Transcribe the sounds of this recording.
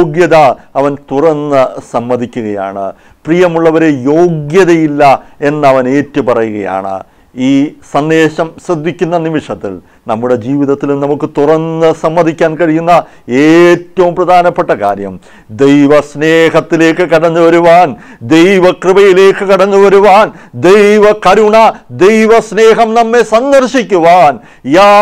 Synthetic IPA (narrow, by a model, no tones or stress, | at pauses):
ɡjɐðɐɐʋɐnt̪urɐnːɨsɐmːɐd̪ʱikʲːuɣɐja̰ːɳɨ̰ | prijɐmuɭːɐʋɐɾejo̞ːɡjɐðɐjilːɐe̞nːɐʋɐne̞ːtːupɐrɐjuɣɐ̰ja̰ːɳɨ̰ | iːsɐnd̪eːʂɐmɕrɐd̪ʱːikʲːunːɐnimiʂɐt̪ːḭl | nɐmːuɽe̞d͡ʑiːʋiðɐt̪ːilumnɐmukːɨt̪urɐnːɨsɐmːɐd̪ʱikʲːaːnkɐɻijunːɐ | eːtːɐʋumprɐd̪ʱaːnɐpːe̞ʈːɐka̰ːɾjɐ̰m | d̪ejʋɐsne̞ːɦɐt̪ːile̞ːkːɨkɐɽɐnːuʋɐɾuʋaːnd̪e̞jʋɐkrɨbɐjile̞ːkːɨkiɽɐnːuʋɐɾuʋaːnd̪ejʋɐkɐɾuɳɐd̪ejʋɐsne̞ːɦɐmnɐmːe̞sɐnd̪ɐrʂikʲːuʋaːn | jaː